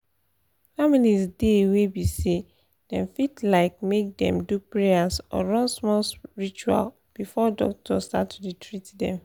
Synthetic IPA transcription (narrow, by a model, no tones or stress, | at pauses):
familizdewebise | dɛ̃mfitlaɪk̚mek̚dɛ̰̃mdupɹeasɔ̰ɹɔ̃nsmɔlsɹit͡ʃua̰l | b̥ifɔdɔ̰k̚tʰɔsta̰tuɹitʰɹitdɛ̰̃m